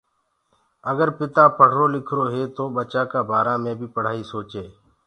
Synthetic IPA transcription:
əɡəɾpɪt̪aːpəɽ̤ɾoːlɪkʰɾoːɦeːt̪oːɓət͡ʃaːkaːbʱaːɾãːmẽːbʱiːpəɽ̤aːiːsoːt͡ʃeː

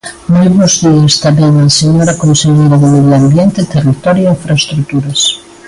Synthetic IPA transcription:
nojβɔzðiɐst̪amɛŋaseɲoɾakonseʎejɾɐðɪmeðjoambjent̪ɪt̪erit̪ɔɾjoiɱfɾaest̪ɾut̪uɾɐs

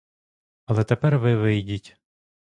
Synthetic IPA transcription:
ɐlˠɛt̪epɛrʋɪʋɪjdʲitʲ

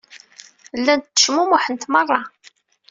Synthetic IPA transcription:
lːænt̪ːə̥ʃmumʊħənt̪mɑrˤːɑ

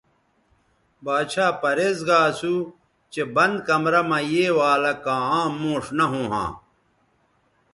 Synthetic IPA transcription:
baːɕʰaːpɐɾeːzɡaːsu | t͡ɕebɐnd̪kɐmɾɐmɐjeːwaːlɐkãːãːmõːʂnɐɦõːɦã̰ː

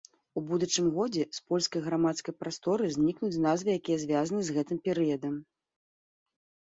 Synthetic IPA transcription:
ubud̪ut͡ʂɨmɣɔd͡zʲɛspɔlʲskɐjɣɾamat̪skɐjpɾast̪ɔɾɨzʲnʲiknut͡sʲnazvɨjakʲijɐzʲvʲazɐnɨzɣɛt̪ɨmpʲɛɾɨjɐd̪ɐm

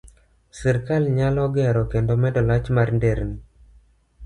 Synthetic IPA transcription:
sɛɾkalɲalɔɡɛɾɔkendomɛdɔlat͡ʃmarndeɾni

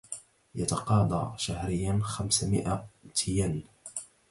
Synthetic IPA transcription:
jat̪ɑqɑːd̪ˤɑ̰ːʃahɾɪjːanxamsmɪ̰ʔat̪ʰɪjan

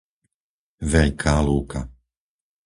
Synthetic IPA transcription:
ʋɛʎkʰaːluːka

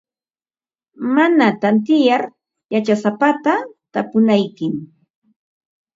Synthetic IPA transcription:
manat̪ant̪ɪjaɾ | jat͡ʃasapat̪at̪apʊnajkɪm

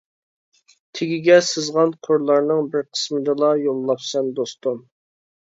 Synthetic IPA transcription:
t̪ʰɪɡʲiɡʲɛsɨzʁɑnqʰoɾlˠɑɾnɨŋbɪɾqʰə̥smɨd̪ɨlˠɑjolˠːɑpsɛnd̪ost̪um

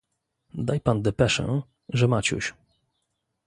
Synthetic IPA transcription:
d̪ajpand̪ɛpɛʂɛ̰̃ | ʐɛmat͡ɕṵɕ

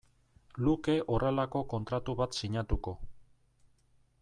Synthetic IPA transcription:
luke̞ʔo̞re̞lako̞ko̞nt̪ɾat̪uβat̪siɲat̪uko̞

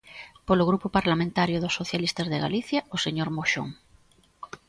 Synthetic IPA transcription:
polʊɣɾupʊpaɾlamẽnt̪aɾjʊðʊsːoθjalist̪ɐzðeɣa̰liθjaoseɲoɾmoʃo̰ŋ

